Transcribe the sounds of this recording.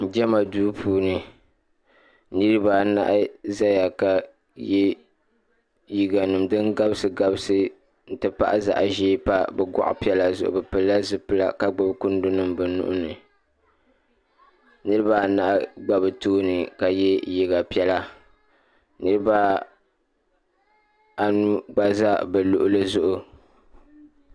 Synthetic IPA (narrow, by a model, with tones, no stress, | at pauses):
d͡ʒɛ˦ma˨duː˦pʰuː˦nɨ˨ | nɨ˦ɾɨ˦baː˦˨na̰˦ʔza˦ja˨ka˨ | jɛ˦ | ji˨ɡa˨nɨ˨mdɨ˦nɡa˦bsɨ˨ɡa˦bɨ˦sɨ˦ | n̩˦˨tɨ˨pa̰˦ʔa˦za̰˨ʔʒeː˦pa˦bɛ˨ɡɔ̰˨ʔʊ̰˦pi˦ɛ˦la˨zʊ̰˦˨ʔʊ̰˨bɨ˨pɨ˨lːa˦zɨ˦pɨ˦la̰˦ka˦ɡ͡ba˨bkʊ˦n˦dʊ˦nɨ˦mbɨ˨nṵ˦ʔʊ̰˦nɨ˨ | nɨ˦ɾɨ˦ba˦˨na˦ʔɡ͡ba˨bɨ˨tuː˦nɨ˨ka˨jɛ˦ji˨ɡa˨pi˦ɛ˦la˦ | nɨ˦ɾɨ˦ba˦ | a˨nu˦ɡ͡ba˦za˦bɛ˨lʊ˨ʔʊ˦lɨ˦zʊ˦ʔʊ˨